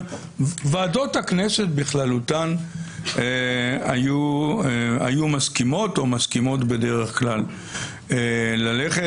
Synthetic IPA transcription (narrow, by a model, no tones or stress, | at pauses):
vaːdo̞thaknese̞t̚biχlalut̪an | ea̰ju | a̰jumaskimo̞to̞maskimo̞tbe̞de̞ʁeχklal | elaleχe